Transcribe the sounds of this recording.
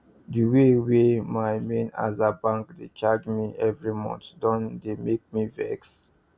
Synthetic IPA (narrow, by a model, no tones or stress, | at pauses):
diwewemaɪmẽna̰zabãŋkdet͡ʃad͡ʒmiʔɛvɹimɔ̰̃ntdɔ̃ndemek̚mivɛ̰ks